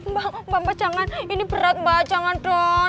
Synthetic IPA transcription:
mbabambat͡ʃaŋaninibəɾat̪̚bat͡ʃaŋanʈɔ

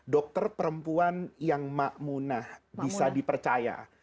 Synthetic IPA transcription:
dɔk̚t̪ərpəɾəmpuanjaŋmaʔmunahbbisadipərt͡ʃaja̰

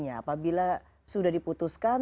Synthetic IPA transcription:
ɲaːpabila | sudahdiput̪uskan

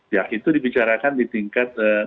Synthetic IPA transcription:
jait̪udibit͡ʃaɾakandit̪iŋkat̪̚ə

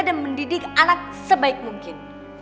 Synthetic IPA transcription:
danməndidɪk̚alat̪̚səbaɪk̚muŋkɪn

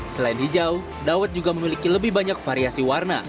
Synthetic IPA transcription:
səlaɪnɦid͡ʒau | dawət̪̚d͡ʒuɡaməmilikiləbɪhbaɲak̚faɾiasiwarna̰

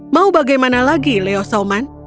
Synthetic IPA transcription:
maubaɡajmanalaɡileɔsaman

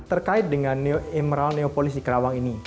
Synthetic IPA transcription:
t̪ərkaɪt̪̚dəŋanːoemɾalneopolɪsdikəɾawaŋini

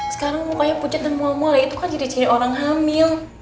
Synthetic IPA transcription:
sə̥kaɾaŋmukajaput͡ʃat̪̚nəmuamualait̪ukand͡ʒadit͡ʃiɾioɾaŋɦamɪl

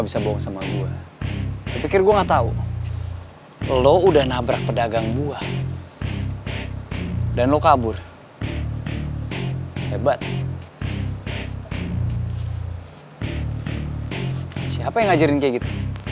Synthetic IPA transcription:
bisaboɔŋsamaɡua | papikɪrɡuaŋat̪aṵ | loudahnabɾak̚pədaɡaŋbua | danlokabʊr | hebat̪̚ | siapajaŋad͡ʒaɾɪnkiaɡit̪u

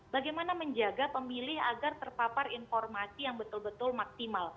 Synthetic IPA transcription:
b̥aɡajmanaməɲd͡ʒaɡapəmilɪhaɡart̪ərpaparinfɔrmasijaŋbət̪ʊlbət̪ʊlmak̚simal

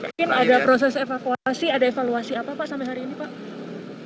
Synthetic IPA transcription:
kɪnadapɾos̬ɛsefakuaasiadaefaluasiapapaʔsampɛɦaɾiːnipaʔ

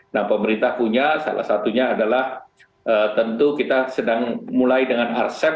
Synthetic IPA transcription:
nahpəməɾint̪ahpuɲasa̰la̰hsat̪uɲaːdalah | ʔət̪ənt̪ukit̪asədaŋmulajdəŋanarsɛ

